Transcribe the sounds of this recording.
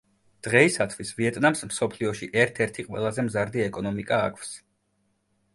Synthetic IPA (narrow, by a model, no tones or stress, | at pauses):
d̪̥ʁɛisat̪ʰwisviɛt̪ʼnamsmsɔpʰliɔʃiʔɛɾt̪ʰɛɾt̪ʰiqʼwɛ̰lˠazɛmzaɾd̪iɛkʼɔnɔmikʼaːkʰfs